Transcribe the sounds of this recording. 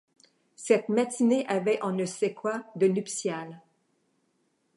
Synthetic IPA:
sɛt̪mat̪ineʔavɛʔɑ̃nəsɛkwad̪ənypsjal

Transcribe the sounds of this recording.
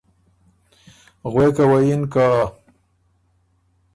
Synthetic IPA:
ɣwekawajinka

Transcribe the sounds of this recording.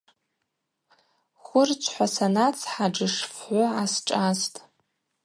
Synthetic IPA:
χʷʊrt͡ʃʷʰħʷasanat͡sʰħaʈ͡ʂɨʂfħʷʊasʈ͡ʂʼastʼ

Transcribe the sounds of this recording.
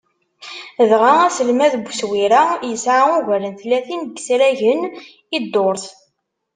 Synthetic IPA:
ðʁaæsəlmæðbswiɾajəsʕaʊʝælənθlːæθinɡsɾæʝən | id̪ːoɾˤθ

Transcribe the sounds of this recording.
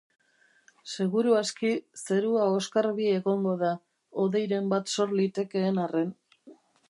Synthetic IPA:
se̞ɣuɾuaskise̞ɾuao̞skaɾβie̞ɣo̞ŋɡo̞ð̞a | o̞ðe̞jɾe̞mbat̪so̞ɾlit̪e̞ke̞ːnare̞n

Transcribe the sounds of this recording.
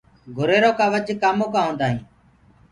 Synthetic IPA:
ɡʱʊɾeːɾoːkaːʋəd͡ʒkaːmõːkãːɦõːnd̪aːɦĩː

